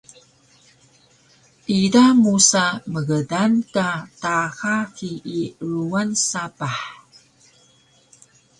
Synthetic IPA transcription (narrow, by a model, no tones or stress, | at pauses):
ʔidamusaməɣədankataxakiːɾuansapaħ